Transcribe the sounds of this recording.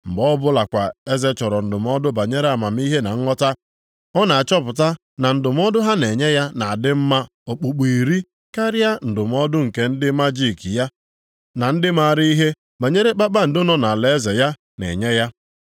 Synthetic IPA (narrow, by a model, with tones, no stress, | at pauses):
m̩˨bɔ˦bʊ˦la˨kʷa˨e˦ze˦t͡ʃɔ˨ɾɔ˨n̩˨dʊ˨m˦ɔ˦dʊ˦ba˨ɲe˦ɾe˦a˨ma˨m̩˦i˦ɦe˦na̰˨ŋ̩˦ŋɔ˦ta˦ | ɔ˦na˨a˨t͡ʃɔ˦pʊ˨ta˦ | na˨n̩˨dʊ˨m˦ɔ˦dʊ˦ɦa˦ne˨ɲe˦ja˦na˨a˨dɪ˦m̩˦ma˦ | o˨k͡pu˨k͡pi˨ɾi˦ | ka˦ɾɪ˦a˦n̩˨dʊ˨m˦ɔ˦dʊ˦ŋ̩˨ke˦n̩˦dɪ˦ma˦d͡ʒi˦˨ki˨ja˦ | na˨n̩˦dɪ˦ma˦˨ɾi˦i˦ɦe˦ | ba˨ɲe˦ɾe˦k͡pa˦k͡pa˦n̩˨dʊ˦nɔ˨na˨le˨e˦ze˨ja˦ | nḛ˨ɲe˦ja˦